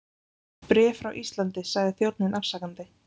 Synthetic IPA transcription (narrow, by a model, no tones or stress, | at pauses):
pɾɛːfɾawʔist̪lant̪ɪsaɣðɪθjowt̪̚nɪnʔafsakant̪ɪ